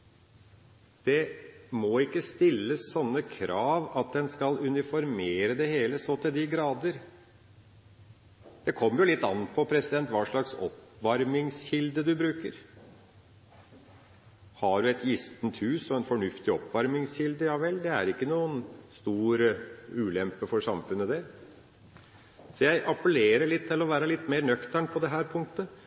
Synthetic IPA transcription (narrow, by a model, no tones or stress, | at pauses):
d̪̥ɛmɔɪkːəst̪ɪlːəssɔnːəkʰɾʔɑːʋɑt̪̚d̪ɛnskɑlʉnɪfɔɾmeːɾəd̪ɛheːləsoːt̪ʰɪld̪ɪɡɾɑːd̪əɾ | d̪̥ɛkʰɔmːəɾjʊlɪt̪ːɑ̰nːət̪̚pʰɔpʰɾɛsɪd̪ɛnt̪ʋɑːʂɭɑksɔ̰pʋɑɾmɪŋsçɪld̪əd̪ʉbɾʉːkəɾ | hɑɖʉɛt̪jɪst̪nt̪hʉːsɔɛnfɔɳʉft̪ɪɔpːʋɑɾmɪŋsçɪld̪əjɑʋɛld̪ɛæ̰ɾɪkːənuːənst̪uːɾʉːlɛmpəfɔɾʂɑmfʉnːəd̪æɾ | sɔjæɪʔɑpəleːɾəɭɪt̪ʰːɪlɔʋæːɾəlɪt̪ːmeːɾnœkt̪æɳpʰɔd̪ɛɦæːɾpʰʊŋk̚t̪ə